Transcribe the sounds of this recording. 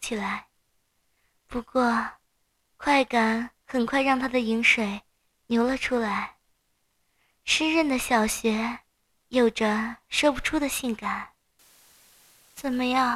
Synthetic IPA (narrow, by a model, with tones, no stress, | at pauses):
t͡ɕʰi˨˩la˧˥ɪ | pu˧˥kwɔ˥˩ | kʰwa˥˩ɪka˨˩˦nxə˨˩nkʰwa˥˧ɪɻɑ˥˧ŋt̪ʰa˥d̪ə˨i˧˥ŋʂwe˨˩˦ɪ | njo˧˥ʊlə˧ʈ͡ʂʰu˥la˧˥ɪ | ʂə˥nɻə˥˩nd̪ə˩ɕjɑ˨˩ʊɕɥɛ˧˥ | jo˨˩ʊʈ͡ʂə˦ʂɔ˥˧pu˨˩ʈ͡ʂʰu˥d̪ə˨ɕi˥˩nka˨˩˦n | t͡sə˨˩nmə˦jɑ˥˩